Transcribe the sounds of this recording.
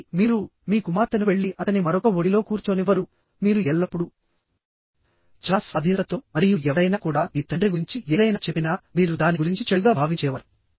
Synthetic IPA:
miːɾumiːkumaːɾt̪ɐnuʋe̞ɭːiʔɐt̪ɐnimɐɾɔkɐoɽilo̞ːkuːɾt͡ʃoːniʋɐɾu | miːɾuɛɭːɐpːuɽu | t͡ʃaːsʋɐd̪ʱiːnɾɐt̪o̞ːmɐɾijuɛʋɐɾɐjnaːkuːɽaːmiːt̪ɐɳɖreɡuɾiɲt͡ʃieːlɐjnaːt͡ʃepːinaːmiːɾud̪aːniɡuɾiɲt͡ʃit͡ʃeɭuɡaːbʱaːʋiɲt͡ʃɛːʋɐɾu

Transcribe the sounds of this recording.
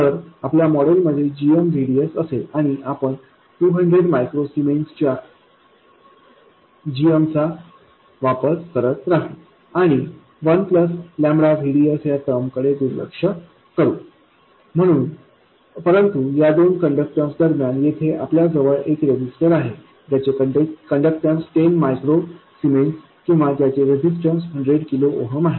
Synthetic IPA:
t̪əɾapljamɔɽəlməd̪ʱːjed͡ʑiəmʋʱiɽiəsəselaɽ̃iʔapəɳ | ʈuːɦəɳɖɾeɽmajkɾosimenkst͡ɕja | d͡ʑiəmt͡sa | ʋapəskəɾət̪ɾaɦe | aɽ̃i | ʋənpləslãmbɾaʋʱiɽiəsjat̪əmkəɽed̪uɾlə̰kʂə | kəɾṵː | m̤əɽ̃uːn | pəɾənt̪ujad̪onkəɳɖək̚ʈəmsd̪əɾmjanjet̪ʰeʔapljad͡zəʋəɭekɾed͡ʑisʈəɾaɦe | t̪jat͡ɕeəkəɳɖək̚ʈəmsʈenmajkɾosimels | kĩw̃ʋat̪jat͡seɾed͡ʑisʈəmsɦəɳɖɾeɽkilooɦəmaɦe

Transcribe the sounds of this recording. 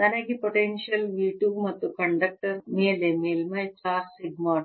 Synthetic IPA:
t̪ɐnɐɡipoʈenʂijɐlʋiːʈjuːmɐt̪ːukɐɳɖɐk̚ʈɐɾmeːlemeːlmɐjt͡ʃaːɾsiɡmaːʈ

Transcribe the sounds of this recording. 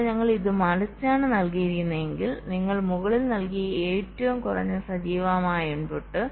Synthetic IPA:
ɲɐŋːɐɭiðɨmɐlɐt͡ɕːaːɳɨnɐlkijiɾikʲːunːɐe̞ŋɡilniŋːɐɭmuɣɐɭilnɐlkijɐeːtːɐʋumkurɐ̰ɲːusɐd͡ʑiːʋaːmaːjuɳboʈːɨ

